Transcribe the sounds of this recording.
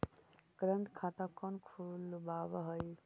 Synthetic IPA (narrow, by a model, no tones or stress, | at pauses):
kɾəɳʈkʰat̪akɔnkʰulbaʋɦəj